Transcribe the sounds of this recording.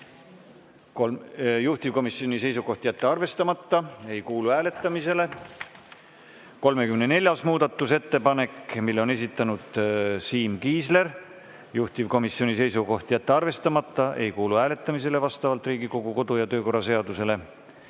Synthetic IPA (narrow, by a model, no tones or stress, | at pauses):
ojuht̪ivko̞misio̞nisejsuko̞ht̪ijæt̪ːeɑrve̞st̪ɑmɑt̪ːɑe̞jkuːluhæːle̞t̪ːˑɑmise̞le̞ | ko̞lme̞kymenene̞lʲjɑsmuːd̪̥ɑt̪ːˑuse̞t̪ːe̞pɑne̞kmilːo̞ne̞s̬it̪ːˑɑnud̪̥siːmkiːsle̞ɾ | juht̪ivko̞misːio̞nise̞jsuko̞ht̪jæt̪ːeɑrve̞st̪ɑmɑt̪ːˑɑʔe̞̰jkuːluhæːle̞t̪ˑːɑmis̬e̞le̞vɑst̪ɑvɑlt̪ˑriːɡiko̞ɡuko̞d̪̥ujɑt̪ø̞ːko̞rːɑse̞ɑd̪use̞le̞